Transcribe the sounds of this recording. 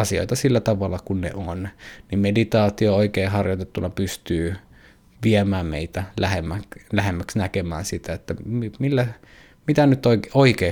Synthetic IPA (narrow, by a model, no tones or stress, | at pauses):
ɑsio̰it̪ɑsilːæt̪ɑʋɑlːˑɑkunnḛʔonnimmedit̪ɑːt̪iooikeːhɑrjot̪et̪ːunɑpyst̪yː | ʋiæmæːmmḛit̪ælæhemːæklæhemːæksnækemæ̰ːnsit̪æet̪ːæmimilːæ | mit̪ænyt̪oioikeː